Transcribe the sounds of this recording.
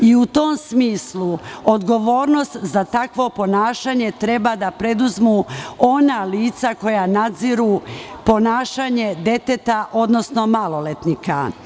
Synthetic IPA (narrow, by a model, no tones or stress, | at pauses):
iut̪o̞msmiːsluod̪ɡo̞ʋo̞ːɾno̞st̪zat̪akʋo̞po̞naːʃaɲe̞t̪ɾe̞bad̪apɾe̞d̪uzmuo̞naliːt̪sako̞janad̪ziɾupo̞naːʃaɲe̞d̪e̞t̪et̪aʔo̞d̪no̞sno̞malo̞let̪nika̰